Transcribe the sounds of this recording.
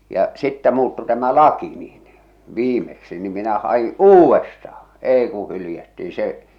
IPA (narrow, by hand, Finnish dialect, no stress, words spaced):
jɑ sitːæ muːtːu tæmæ lɑki niːn ʋiːmeksi nim minæ hɑi uːwestɑhɑ̥ eˑi ku hylĭjætːi se